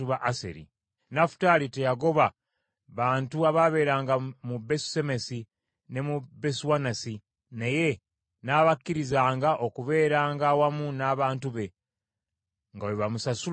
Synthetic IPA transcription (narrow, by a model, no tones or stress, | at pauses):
uβaʔasḛɾḭ | nafu̥taːlite̞jaɡo̞βa | βaːntuaβaβe̞ːɾaːŋɡamubesu̥e̞mesi | ne̞mubeswanasi | neje̞ | naβakːiɾizaːŋɡaʔo̞kuβe̞ːɾaːŋɡawamunaβaːntuβe̞ | ŋɡawoβamusasu